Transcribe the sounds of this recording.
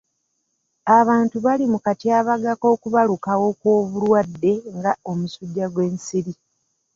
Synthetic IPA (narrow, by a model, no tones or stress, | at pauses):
aβaːntuβalimukatiaːβaɡako̞ːkuβalukawo̞kwo̞ːβulwadːe̞ŋɡaomusuɟːaɡwe̞ːnsiɾi